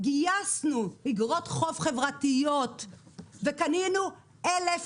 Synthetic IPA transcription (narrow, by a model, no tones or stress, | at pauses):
ɡijasnuhiɡʁot̪χofχe̞vʁatijot̪vekaninu | elef